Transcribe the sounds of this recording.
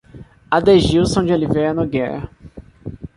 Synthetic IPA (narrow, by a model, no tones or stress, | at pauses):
ad̪eʒiwsõw̃d͡ʒɪoliveɐnoɡɛɾ̰